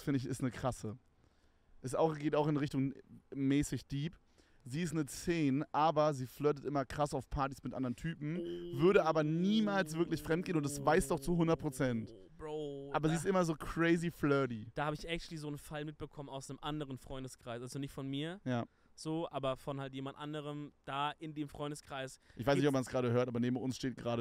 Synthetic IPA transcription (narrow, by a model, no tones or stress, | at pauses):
fɪndəɪç̬ɪstnəkʁ̥asə | ʔɛsaʊxɡeːtaʊɪnʁɪçtʊŋmɛːsɪçd̥iːp | ziːɪstnət͡seːnəʔaːbɐziːflœt̬ətʔɪmɐkʁ̥asaʊfpʰaɐti̥smɪtʔa̰ndəʁəntʰyːpm̩vʏɐɾəʔaːbɐniːmaːlsv̥ɪɐklɪçfʁ̥ɛmt̚ɡ̥eːnʊntasvaɪsd̥ɔχtt͡suɦʊndɐt̚pʁ̥ot͡sɛnt | ʔaːbɐziːɪstʔɪmɐzoːkʁ̥ɛɪziflœːdid̥aːhaːbəɪçʔɛktlizoːnfalmɪt̚b̥əkʰɔmənaʊsnəmʔandəʁənfʁ̥ɔʏndəskʁ̥aɪsʔalzonɪçtfɔnmiːɐjaː | z̥oːʔaːbɐfɔnhalt̬jeːmandʔandəʁəmd̥aːʔɪndeːmfʁ̥ɔʏndəskʁ̥aɪsʔɪçvaɪsnɪçtʔɔpmansɡ̥ʁaːɾəɦøːɐtaːbɐneːbm̩ʊnsʃteːt̚ɡ̥ʁaːɾə